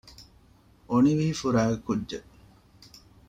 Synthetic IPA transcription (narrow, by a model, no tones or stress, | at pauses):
ʔoniʋiːfuɾaːɡekːudd͡ʒe